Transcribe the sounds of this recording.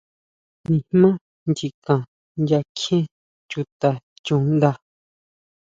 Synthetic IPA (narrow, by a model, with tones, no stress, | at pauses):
nĩ˧hmmã˦ | nd͡ʒi˧kã˨ | nja˧kʰẽ˦ | t͡ʃu˧t̪a˧t͡ʃũ˧nd̪a˧